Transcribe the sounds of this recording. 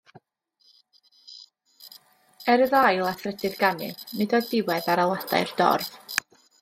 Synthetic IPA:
ɛɾəðajlˠaθʰrɛdɨðɡanɨ̰ðnɨdɔdɪwɛðaɾalˠad̥a̰ɨrd̥ɔ̰rv̥

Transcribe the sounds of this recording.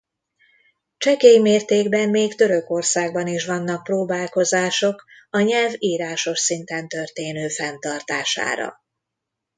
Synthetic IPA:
t͡ʃɛkeimeːrt̪eːɡbɛmːeːkt̪ø̞ɾø̞ko̞rsaːɡ̚bɒniʃʋɒnːɒk̚proːbaːlko̞zaːʃo̞k | ɒɲɛlviːɾaːʃo̞ʃsint̪ɛnt̪ø̞rt̪eːnøːfɛnt̪ɒrt̪a̰ːʃa̰ːɾɒ̰

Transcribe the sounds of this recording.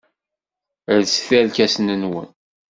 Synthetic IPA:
əðsθælkæsnənwə̰n

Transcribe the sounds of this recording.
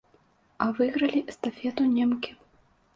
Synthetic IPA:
ɐvɨɣɾɐlʲist̪afʲɛt̪unʲɛmkʲi

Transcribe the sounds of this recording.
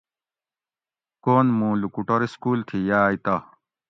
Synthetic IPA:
koːnmũːlukuʈɐɾiskuːlt̪ʰijaːit̪ɐ

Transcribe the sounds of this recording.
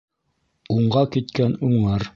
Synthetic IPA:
uɴɢɑkit̪̚kænuɴlɑɾ

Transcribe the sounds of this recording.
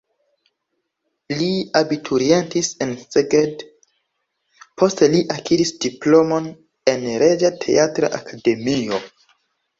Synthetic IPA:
liabitʰuɾientise̞nseɡed | pʰo̞steliʔakiɾisdiplo̞mo̞n | e̞nɾed͡ʒatʰe̞̰atɾa̰ʔa̰kʰade̞mio̞

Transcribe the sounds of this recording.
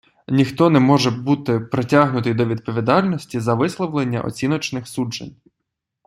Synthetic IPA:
nʲixt̪ɔnɛmɔʒɛbut̪ɪpɾetʲaɦnʊt̪ɪjd̪ɔʋʲid̪̚pɔʋʲid̪ɑlʲnɔsʲtʲizɐʋɪslˠɔʋlˠenʲːɐ̰ʔɔ̰t͡sʲinɔt͡ʃnɪxsud͡ʒḛnʲ

